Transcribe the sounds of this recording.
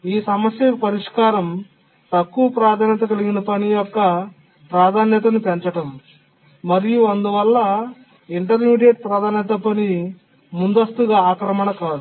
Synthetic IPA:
iːsɐmɐsjɐpɐɾiʂkaːɾɐm | t̪ɐkːuʋɐpɾaːd̪ʱaːnjɐt̪̬ɐkɐliɡinɐpɐnijɔkːɐ | pɾaːd̪ʱaːnjɐt̪ɐnupeɲt͡ʃɐʈɐmː | ɐɾijuɐnd̪uʋɐlːɐ | iɳʈɐɾmiːɖeːʈ̚pɾɐd̪ʱaːnjɐt̪ɐpɐni | mund̪ɐst̪uɡaːaːkɾɐmɐnɐkaːd̪u

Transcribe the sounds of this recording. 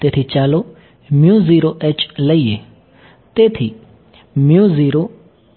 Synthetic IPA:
t̪eːt̪ʰit͡ʃaːlo | mjũːziːɾoʔeːt͡ʃləie | t̪eːt̪ʰi | mjũːziːɾo

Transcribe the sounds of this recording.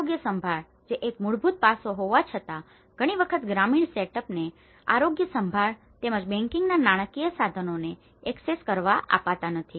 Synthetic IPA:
oɡjəsəmbʱaɭ | d͡ʒeʔekmuɭbʱut̪̚pasoɦoʋat͡ʃʰət̪a | ɡ̥ʱəɽ̃iʋəkʰət̪ɡɾamiɳseʈəpne | a̰ɾoɡjəsəmbʱaɭ | t̪eməd͡ʒbɛ̃ŋkɪŋɡnanaɽ̃əkijəsad̪ʱənone | ɛkseskəɾʋaʔa̰pat̪anət̪ʰi

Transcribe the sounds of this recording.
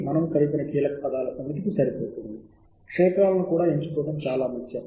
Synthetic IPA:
mɐnɐmkɐlipinɐkiːlɐkɐ̥pɐd̪aːlɐsɐmɐt̪ikisɐɾipoːt̪und̪i | kʂɛːkɾaːlɐnukuːɽaːeɲt͡ʃu̥kɔːɽɐmt͡ʃaːlaːmɐt̪t͡ʃɐ

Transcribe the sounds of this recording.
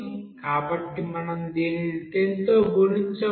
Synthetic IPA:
kaːbɐʈːimɐnɐmd̪eːnid̪eːnt̪o̞ːbuɾiɲt͡ʃɐ

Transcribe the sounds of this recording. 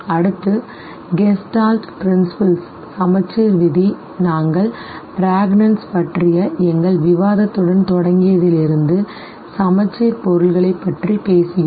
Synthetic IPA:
ɐɽɯt̪ːɯ | ɡɛsʈaːlʈpɾɪnsɪpɐlsː | ɐmɐt͡ʃːiːɾʋɪði | naːŋɡɐɭ | pɪɾaːɡnɐnspɐʈrɪjɐɛŋɡɐɭʋɪʋaːðɐt̪ːɯɽɐnt̪ɔɽɐŋɡɪjɐðɪlɪɾɯnd̪ɯ | sɐmɐt͡ʃːiːɾpɔɾɯlɣɐɭɐɪpːɐʈripeːsɪjɯm

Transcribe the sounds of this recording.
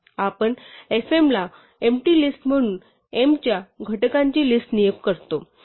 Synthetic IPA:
apəɳefemla | emʈilisʈm̤əɽ̃uːn | emt͡ɕjaɡʱəʈəkãɲt͡ɕiːlisʈnijekkəɾt̪o

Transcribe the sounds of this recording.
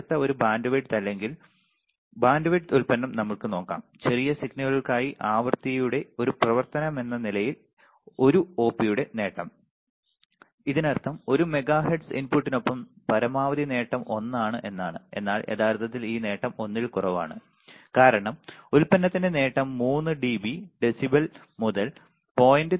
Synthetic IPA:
t̪ːɐo̞ɾubaːnɖɨʋɐʈt̪ɐlːe̞ŋɡil | baːnɖɐʋɐʈulpɐnːɐmnɐmːɐɭkɨno̞ːkːa̰ːmt͡ɕe̞rijɐsiɡnɐɣɐɭiɭkaːjiʔaːʋɐrt̪ijuɽe̞o̞ɾuprɐʋɐrt̪ɐnɐme̞nːɐnilɐjil | o̞ɾuo̞ːpːijuɽe̞ne̞ːʈːɐm | iðinɐrt̪ʰːɐmo̞ɾume̞ɡaːɦiɖsḭnpuʈːino̞pːɐmpɐɾɐmaːʋɐðine̞ːʈːɐmʔo̞nːaːɳɨʔe̞nːaːɳɨe̞̰nːaːɭḛt̪aːrt̪ʰɐt̪̬ːiliːne̞ːʈːɐmo̞nːilkurɐʋa̰ːɳɨ | kaːɾɐɳɐmulpɐnːɐt̪ːinde̞ne̞ːʈːɐmːuːnːɨɖiːbiɖe̞sibɐl | muðɐl | po̞ːjindɨ

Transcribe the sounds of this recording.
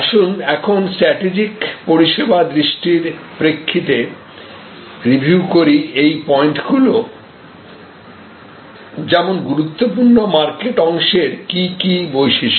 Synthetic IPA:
aʃunɛkʰonsʈɾɛʈid͡ʑikpoɾiʃebad̪ɾiʃʈiɾpɾekʰːit̪e | ɾibʱukoɾiejpɔeɳʈɡulo | d͡ʑɛmonɡuɾut̪ːopuɾnomaɾkeʈɔŋʃeɾkikibojʃiʃ

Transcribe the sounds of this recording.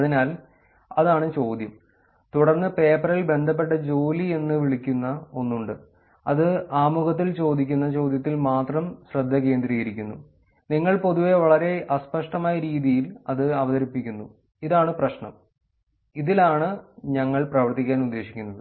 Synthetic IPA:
ɐðinaːl | ɐðaːɳɨt͡ɕo̞ːd̪jɐm | t̪uɽɐrnːɨpe̞ːpːɐɾilbe̞nd̪ʱɐp̬ːe̞ʈːɐd͡ʑo̞ːlie̞nːɨʋiɭikʲːunːɐo̞nːuɳɖɨ | ɐðɨaːmuɣɐt̪̬ːilt͡ɕo̞ːd̪ikʲːunːɐt͡ɕo̞ːd̪jɐt̪̬ːilmaːt̪rɐmɕrɐd̪ʱːɐke̞ːnd̪rɾiiɾikʲːunːṵ | niŋːɐɭpo̞ðuʋe̞ʋɐɭɐɾe̞ʔɐspɐʂʈɐmaːjɐɾiːðijilɐðɨɐʋɐðɐɾipːikʲːunːu | iðaːɳɨprɐɕɳɐ̰m | iðilaːɳɨɲɐŋːɐɭprɐʋɐrt̪ikʲːaːnud̪ːe̞ːɕi̥kʲːunːɐðɨ

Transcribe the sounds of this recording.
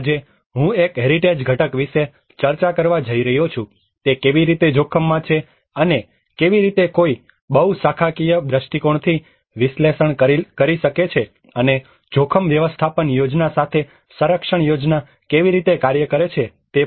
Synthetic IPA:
d͡ʒe | ɦũekɦeɾiʈed͡ʒɡʱəʈəkʋiʃe | t͡ʃəɾt͡ʃakəɾʋad͡ʒəiɾəɦjot͡ʃʰũ | t̪ekeʋiɾit̪ed͡ʒʱokʰəmːãt͡ʃʰe | əne | keʋiɾit̪ekoi | ɓəɦusakʰakijəd̪ɾəʃʈikoɳt̪ʰi | ʋɪslesəɳkəɾikəɾiʃəket͡ʃʰe | əne | d͡ʒokʰəmʋjəʋəst̪ʰapənjod͡ʒnasat̪ʰe | səɾəkʃəɳ̃jod͡ʒna | keʋiɾit̪ekaɾjəkəɾet͡ʃʰe | t̪e

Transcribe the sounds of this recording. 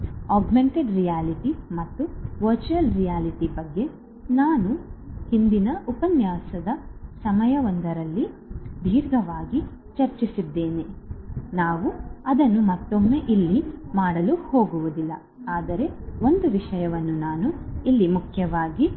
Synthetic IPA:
aːɡme̞ɳʈeɖɾijaːliʈimɐt̪ːuʋɐɾt͡ʃuɐlɾijaːliʈibɐɡːe̞ | naːnuhind̪inɐupɐnjaːsɐd̪ɐsɐmɐjɐʋɐnd̪ɐɾɐlːi | b̪ʱiːɾɡɐʋaːɡi | t͡ʃɐɾt͡ʃisid̪ːe̞ːne̞naːʋuɐd̪ɐnːumɐt̪ːomːe̞ʔilːimaːɽɐluho̞ːɡuʋud̪ilːɐ | aːd̪ɐɾe̞o̞nd̪uʋiʂɐjɐʋɐnːunaːnuilːimukʰjɐʋaːɡi

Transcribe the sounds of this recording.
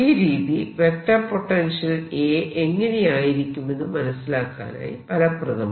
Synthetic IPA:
iːɾiːðiʋekʈːɐpːoʈːenʂɐleːʔeŋːɐnejaːjiɾikʲːumːenːɨmɐnɐsːilaːkːa̰ːna̰ːjḭpɐlɐprɐɣɐm

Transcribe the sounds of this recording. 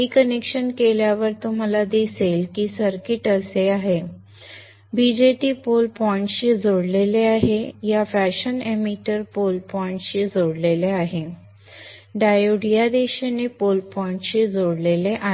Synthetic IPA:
ɦiːkənekɕənkeljaʋəɾt̪um̤alad̪iselkiːsəɾkiʈəseaɦe | bid͡ʑeʈiːpolpɔiɳʈɕiːd͡zʱoɽleleaɦejafæɕənemiʈəɾpolpɔĩɳʈɕid͡zʱoɽleleaɦe | ɖajoɽijad̪eɕenepolpɔɳʈɕid͡zʱoɽleleʔa

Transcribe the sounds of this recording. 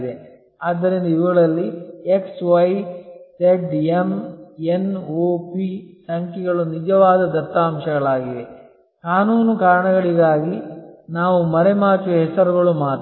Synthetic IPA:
d̪e | aːd̪ːɐɾind̪ɐiʋɐɡɐɭɐlːieksʋɐjt̪eɖemenoːpisɐŋkɛɡɐɭunid͡ʒɐʋaːd̪ɐd̪ɐt̪ːaːmʃɐɡɐɭaːɡid̪e̞ | kaːnuːnukaːɾɐɳɐɣɐɭiɡaːɡinaːʋumɐɾemaːt͡ʃuɦɛsɐɾuɡɐɭumaːt̪

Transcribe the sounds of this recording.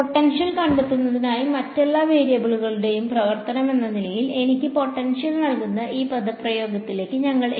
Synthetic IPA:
oʈːɐnʂɐlkɐɳɖet̪ːunːɐðinaːjimɐtːelːaːʋeːɾijɐbiɭuɣɐɭuɽe̞jumprɐʋɐrt̪ɐnɐme̞nːɐnilɐjile̞nikʲːɨpo̞ʈːɐnʂjɐlnɐɭkunːɐʔiːpɐd̪ɐprɐjo̞ːɡɐt̪ːile̞ːkʲːɨɲɐŋːɐɭ

